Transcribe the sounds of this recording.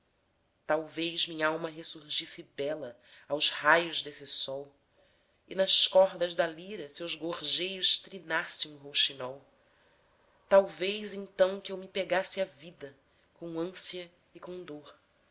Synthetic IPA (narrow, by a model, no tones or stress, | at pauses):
t̪awvejzmĩɲɐawmɐɦesuɾʒisɪbɛlɐ | awzhajʊʒd̪esɪsɔw | ɪnɐʃkɔɦd̪ɐzd̪aliɾɐsewzɡoɾʒejʊʃt̪ɾinasẽŋ̃ʊ̃ɦowʃinɔw | t̪awvejzẽnt̪ɐ̃w̃kɪewmɪpeɡasɪɐvid̪ɐ | kõw̃ɐ̃siɐ | ɪkõw̃d̪oχ